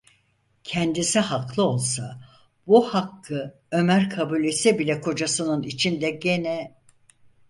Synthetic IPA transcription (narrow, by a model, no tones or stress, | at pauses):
cʰɛnd̪isihaklˠɯo̞lˠsa | buhakːɯ | ø̞mæɾkʰabulʲesɛbilʲɛkʰo̞d͡ʒasɯnɯnit͡ʃʰind̪ɛɟe̞nɛ